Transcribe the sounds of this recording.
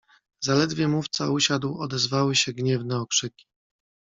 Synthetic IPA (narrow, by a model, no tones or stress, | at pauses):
zalɛd̪vʲjɛmuft̪sauɕad̪wɔd̪ɛzvawɘɕɛɡɲɛvnɛɔkʂɘkʲi̥